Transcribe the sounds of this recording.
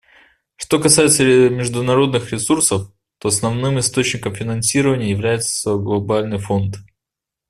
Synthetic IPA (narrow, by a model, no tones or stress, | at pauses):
ʂt̪o̞kɐsajɪt̪səmʲɪʐd̪ʊnɐɾo̞d̪nɨxɾʲɪsursəf | t̪o̞ɐsnɐvnɨmɨst̪o̞t͡ɕnʲɪkəmfʲɪnɐnsʲiɾəvənʲɪjəjɪvlʲæjɪt̪sə̥ɡlˠɐbalʲnɨjfo̞nt̪